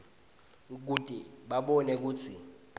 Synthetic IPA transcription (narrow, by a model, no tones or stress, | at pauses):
k̬utʼiɓaɓɔnɛk̬uːt͡sʰi